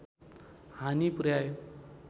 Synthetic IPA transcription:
hanipuɾjajo

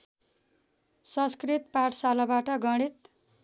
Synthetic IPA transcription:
sʌ̃skrit̪paʈʰsalabaʈʌɡʌɽ̃it̪

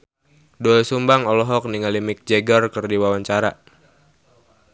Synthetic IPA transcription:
duɛlsumbaŋɔlɔɦɔk̚niŋalimik̚d͡ʒɛɡɔrkɨrdiwawaɲt͡ʃaɾa

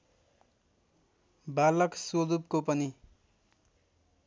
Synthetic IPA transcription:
balʌksod̪up̚kopʌni

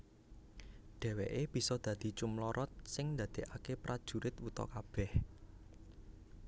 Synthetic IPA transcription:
ɖ̪̥ɛ̤weʔeb̥i̤sɔd̪̥ä̤d̪̥i̤t͡ʃumlɔɾʔɔt̪̚sɪŋnd̪ad̪̥e̤ʔakepɾʔad̥ʒ̥ṳɾɪt̪wut̪ɔ̰kab̥ɛh

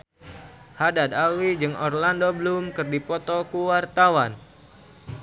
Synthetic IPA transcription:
hadad̪awid͡ʒɨŋɔrlandoblumkɨrdipɔt̪ɔkuwart̪awan

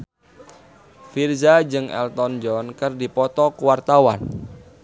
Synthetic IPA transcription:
firzad͡ʒɨŋɛ̰lt̪ɔnd͡ʒɔnkɨrdipɔt̪ɔkuwart̪awa̰n

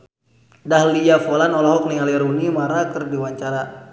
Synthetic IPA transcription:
dahlijafɔlanɔlɔɦɔk̚niŋaliɾunimaɾakɨrdiwaɲt͡ʃaɾa

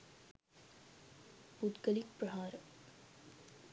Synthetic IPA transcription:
bud̪ɡəlik̚pɾɐɦaːɾə

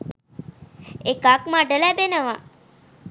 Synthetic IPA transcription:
ekakmaɖəlæbenəʋa

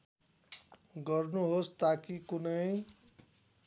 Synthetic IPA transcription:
ɡʌrnuɦost̪akikunʌj

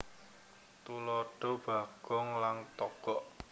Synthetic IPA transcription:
t̪ulɔɖ̥ɔ̤b̥a̤ɡ̥ɔŋlaŋt̪ɔɡ̥ɔʔ

